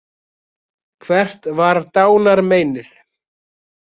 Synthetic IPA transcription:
kʰvɛr̥t̪vaɾt̪aːwnaɾmeːjnɪθ

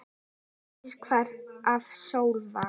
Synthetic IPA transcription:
skʰvaɾavsowlva

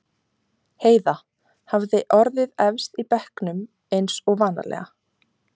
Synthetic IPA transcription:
heːjða | havðɪʔɔɾðɪðɛvst̪ipɛhknʏm | ejnsɔɣvaːna̰lɛ̰ɣa

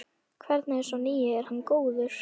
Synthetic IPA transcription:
kʰvɛɾt̪naɛɾ̥sɔniːjɪɛɾ̥hanːkoːwðʏɾ̥

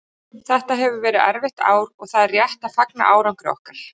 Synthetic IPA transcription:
θɛht̪aɦɛvʏvɛːɾɪða̰ɾvɪht̪a̰ːwɾɔɣθaðrjɛht̪aðfakna̰ʔaːwɾawŋkɾɪɔ̰hkaɾ̥

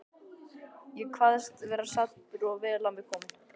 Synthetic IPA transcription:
jɛkʰvaːðst̪vɛːɾasat̪pʏɾɔɣvɛːlawmɪkʰɔːmɪn̥

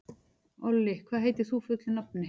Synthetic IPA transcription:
ɔlːɪkʰvaðɦeːjt̪ɪ̥θufʏt̪lʏnap̚nɪ

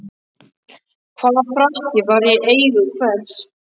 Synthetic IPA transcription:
kʰv̥aːðafɾahcɪvaɾjɛʔeːjðʏkʰvɛls

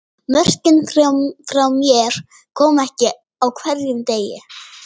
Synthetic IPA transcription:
mœr̥cɪnfɾfɾawmjɛɾ̥ | kʰɔːmɛhcɪ | awkʰvɛɾjʏmt̪eːjɪ̰

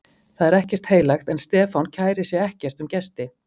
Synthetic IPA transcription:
θaðɛɾɛhcɛr̥t̪heːjlajxt̪ɛnst̪ɛːfawncʰaːjɾɪsjɛɛhcɛr̥t̪ʏmcɛst̪ɪ

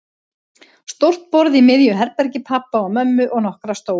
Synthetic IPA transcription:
st̪owr̥t̪̚pɔɾðimɪðjʏɦɛɾpɛɾcɪpʰapaɔmœmːʏʔɔɣnɔhkɾast̪oːw

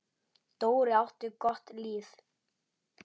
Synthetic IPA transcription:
t̪oːwɾɪawht̪ʏkɔht̪liːθ

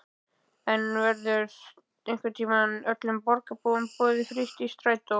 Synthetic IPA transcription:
ɛnvɛɾðʏɾ | ejŋ̥kvɪɾt̪ʰiːmanœt̪lʏmpɔɾkapompɔːðɪfɾɪst̪ist̪ɾaːjt̪o

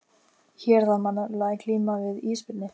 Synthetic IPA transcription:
çɛːɾ̥θaðmanːalaːðɪkʰliːmavɪðiːspɪt̪nɪ

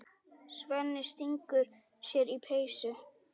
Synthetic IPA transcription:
svœnːɪst̪iŋkʏɾ̥ | sjɛɾipʰeːjsʏ

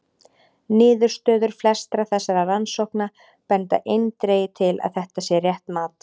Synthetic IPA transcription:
nɪːðʏɾ̥st̪œːðʏɾ̥flɛst̪ɾaθɛsːaɾaransowhkna | pɛnt̪a̰ʔejnt̪ɾeːjɪt̪ʰɪla̰ðθɛht̪asjɛrjɛht̪maːt̪

